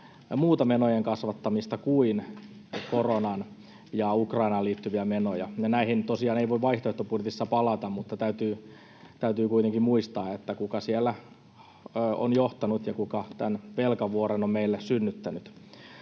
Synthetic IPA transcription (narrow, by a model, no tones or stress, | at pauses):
muːt̪ɑmenojeŋkɑsʋɑt̪ːɑmist̪ɑkuin | koronɑn | jɑukrɑinɑliːt̪ːyʋiæmenojɑjɑnæihint̪osiɑːneiʋoiʋʋɑiht̪oeht̪opudjʲet̪isːɑpɑlɑt̪ɑmmut̪ːɑt̪æyt̪yː | t̪æyt̪yːkuit̪eŋkimmuist̪ɑːet̪ːækukɑsielːæ | o̰njoht̪ɑnut̪jɑkukɑt̪ænʋelkɑʋuoɾenommeilːessynːyt̪ːænyt̪